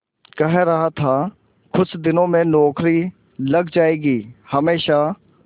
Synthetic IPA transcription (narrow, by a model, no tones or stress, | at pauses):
kɐɦɾɐɦat̪ʰa | kʰʊt͡ʃʰd̪ɪnõːmẽnɔːkʰɾi | lɐɡd͡ʒaːeːɡiːhɐmeːʃa